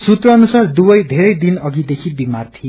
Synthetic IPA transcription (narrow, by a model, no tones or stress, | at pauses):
sut̪rʌːnusard̪ubʌjd̪ʱeɾʌjd̪inʌɡid̪ekʰibimart̪ʰi